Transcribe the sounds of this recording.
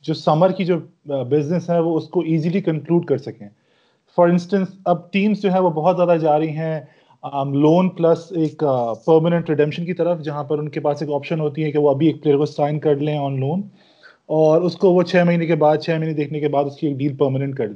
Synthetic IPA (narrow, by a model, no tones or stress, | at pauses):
d͡ʒoːsɐməɾkid͡ʒoːbɪznɪsɦɛ̃ʋoʊskoiːzilikɐ̃ŋkluːɖkɐɾsɐkẽː | fɐɾɪ̃nsʈə̃nsɐb̚ʈiːmzd͡ʒoːɦɛ̃ʋobɔɦɔt̪zʲjaːd̪ad͡ʒaːɾɐɦiɦɛ̃ | loːnplɐseːkpəːɾmənɛ̃ɳʈɾɪɖɛ̃mʃənkit̪ɐɾəfd͡ʒɐɦãpɐɾʊnkepaːseːkɔːpʃənɦoːt̪iɦɛkeʋoɐbʱieːk̚pleːəɾkosaːɪnkɐɾlẽɔːnloːn | ɔːɾʊskoʋot͡ʃʰɛːmɐɦiːnekebaːd̪̚t͡ʃʰɛːmɐɦined̪eːkʰnekebaːd̪ʊskieːk̚ɖiːlpəːɾmənɛ̃ɳʈ̚kɐɾlẽ